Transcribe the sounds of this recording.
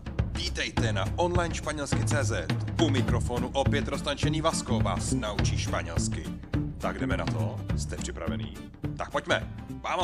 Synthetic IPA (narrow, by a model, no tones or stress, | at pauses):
viːt̪ɛjt̪ɛna̰ʔonlajnʃpaɲɛlskɪt͡sɛːzɛt̪umɪkɾofonuʔopjɛt̪ɾost̪ant͡ʃɛniːvaskowva̰ːsnaut͡ʃiːʃpaɲɛlskɪ | t̪aɡdɛmɛna̰t̪ost̪ɛpr̝̥ɪpɾa̰vɛ̰nḭː | t̪ak̚pocmɛ̰vaːm